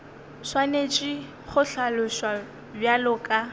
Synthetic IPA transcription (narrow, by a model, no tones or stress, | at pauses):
swanet͡ʃʼi | χʊɬalʊʃwa | bjalʊkʼa